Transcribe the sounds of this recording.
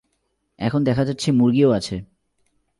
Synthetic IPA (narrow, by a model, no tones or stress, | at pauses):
ɛ̰kʰond̪ɛkʰad͡ʑatːɕʰemuɾɡioat͡ɕʰe